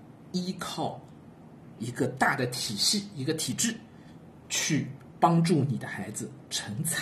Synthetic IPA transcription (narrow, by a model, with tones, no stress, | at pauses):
i˥kʰɑ˥˩ʊ | i˧˥ɡə˧t̪a˥˩d̪ə˩t̪ʰi˨˩ɕi˥˩i˧˥ɡə˧t̪ʰi˨˩ʈ͡ʂɻ̩˥˩ | t͡ɕʰy˥˩ | pɑ˥ŋʈ͡ʂu˥˩ni˨˩d̪ə˦xa˧˥ɪd͡zɹ̩˧ʈ͡ʂʰə˧˥ŋt͡sʰ